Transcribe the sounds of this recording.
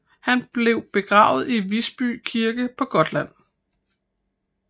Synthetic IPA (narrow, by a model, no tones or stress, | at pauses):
hænb̥le̝ʊ̰b̥e̝ɡ̥ʁɑ̰̈ːʊð̞̩ˠiʋisb̥y̰ːkʰiɐɡ̥əpʰɒ̽ɡ̥ɒ̽d̥læn̰